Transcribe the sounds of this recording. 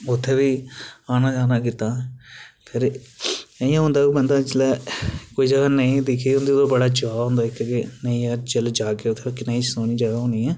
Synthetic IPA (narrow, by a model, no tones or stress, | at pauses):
ʊt̪ʰːeːbiːaːnaːd͡ʒaːnaːk̬ɪt̪aː | pʰɪɾ | jãːɦʊ̃nd̪aːiːbənd̪aːd͡ʒɪlɛːkoːiːd͡ʒəɡaːnəĩːd̪ɪkʰiːʊnd̪iːd̪oːbəɽaːd͡ʒʊaːɦõːnd̪aːɪkːkenəĩːaːd͡ʒəld͡ʒaːkeːʊt̪ʰːeːkɪnaːisoːniːd͡ʒaːɡaːɦõːniːɛː